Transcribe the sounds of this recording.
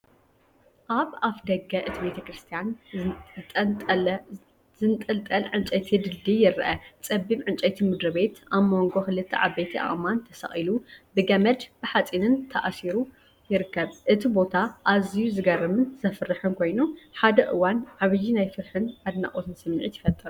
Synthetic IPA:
ʔaβaβd̪ɐɡɐʔɨt̪ʰibe̞t̪ʰɐkɾɨst̪ʰijan | t̪ʼ | zɨnt̪ʼɐlt̪ʼɐlʕɨnt͡ʃʼɐt̪ʰid̪ɨld̪ijɪɾɐʔɐt͡sʼɐbːimʕɨnt͡ʃʼɐt̪ʰimɨd̪ɾɐbe̞t̪ʔamo̞ŋɡoxɨlɨt̪ʰːɐ̰ʕa̰bet̪ʰia̰χʼmant̪ʰɐsɐ̰χʼilubɨɡɐmɐd̪b̥ɨħat͡sʼinɨnt̪ʰɐʔsiɾu | jɪɾɨkʰːɐβʔɨt̪ʰibo̞t̪ʰaʔazijuzɨɡɐɾɐmɨnzɐfɾɨħɨnkʰo̞jnuħad̪ɐʔɨwanʕaβjinajfɨɾħɨnʕad̪na̰χʼot̪ʰɨnsɨmːʕit̪jɪfɐt̪ʼːɨɾu

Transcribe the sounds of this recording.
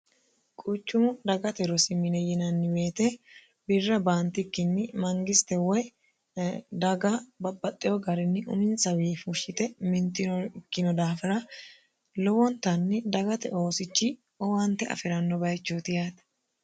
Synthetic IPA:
kʼut͡ʃːʊmʊd̪ɐɡɐt̪ɛɾɔsɪmɪnɛjɪnɐnːɪweːt̪ɛ | bɪrːɐbaːnt̪ɪkːɪnːɪmɐŋɡɪst̪ɛwɔj | d̪ɐɡabɐbːɐt̪ʼːɪjɔɡɐɾɪnːɪʔʊ̰mɪnsɐwiːfʊʃɪt̪ɛmɪnt̪ɪkːɪnɔd̪aːfɪɾɐ | lɔwɔnt̪ɐnːɪd̪ɐɡɐt̪ɛ̰ʔo̞ːsɪt͡ʃːɪ | ɔwɐnt̪ɛɐ̰fɪɾɐnːɔbɐjt͡ʃːot̪ɪjaːt̪

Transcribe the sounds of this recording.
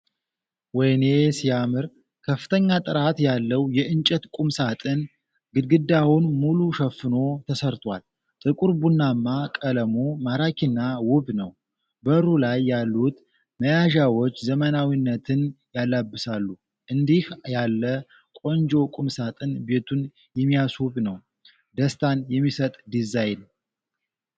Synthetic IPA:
wɔjne̞sijamɨɾ | kʰəfːɨ̥t̪ʰəɲːat̪ʼɨɾat̪jalːəwjɛʔɨnt͡ʃʼɛt̪kʼumsat̪ʼɨn | ɡɨd̪ɡɨd̪awunmuluʃɛfːɨno̞t̪ʰəsəɾt̪ʰwal | t̪ʼɨkʼuɾbunːamːakʼələmomaɾakʰinːawʊbnəw | bəɾulajːalːut̪ | məjaʒawot͡ʃːzəmənawinːət̪ʰɨnjalːabːɨsalːu | ʔɨnd̪ihjalːə | kʼo̞nd͡ʒo̞kʼumsat̪ʼɨnbe̞t̪ʰun | jɛmːijaswuβnəw | d̪əst̪ʰanjɛmːisət̪ʼd̪izajn

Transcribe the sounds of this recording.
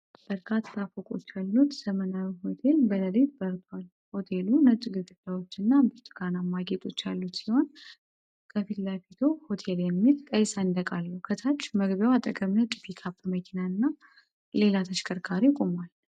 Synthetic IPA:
b̥əɾkʰat̪ʰːafokʼo̞t͡ʃːalːut̪z̥əmənawiho̞t̪ʰe̞lbələlet̪bəɾt̪ʰwal | ho̞t̪ʰe̞lunət͡ʃʼːuɡɨɡɨlawo̞t͡ʃːɨnːambɨt̪ʼɨɡanamaɡet̪ʼo̞t͡ʃːalːut̪siho̞n | kʰəfit̪lafit̪ʰoho̞t̪ʰe̞ljɛmːilt̪ʼəjsaɨnd̪əkʼalːəwkʰət̪ʰat͡ʃːməɡbjawat̪ʼəkʼəmnət͡ʃʼifikʰapːməkʰinaɨnːa | le̞lat̪ʰəʃkʰʼəɾkʰaɾikʼomal

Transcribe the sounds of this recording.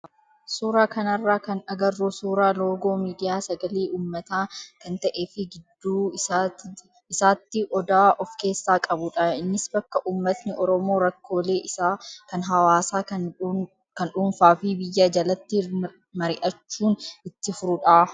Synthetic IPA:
suːɾaːkɐnɐrːaːkɐnɐɡɐrːuːsuːɾaːlo̞ːɡo̞ːmiːd̪ɪjaːsɐɡɐliːʔuːmːɐt̪aːkɐnt̪ɐʔe̞ːfɪɡɪd̪ːuː | ɪsaːt̪ːɪʔɔd̪aːʔɔfke̞ːsːaːkʼɐbʊᶑɐɪnːɪsbɐkːɐʔuːmːɐt̪nɪʔɔɾɔmo̞ːɾɐkːo̞ːle̞ːʔɪsaːkɐnɦɐwaːsaː | kɐnᶑʊnfaːfɪbɪjːad͡ʒɐlɐt̪ːɪ | mɐɾɪʔɐt͡ʃːuːnʔɪt̪ːɪfʊɾʊᶑaː

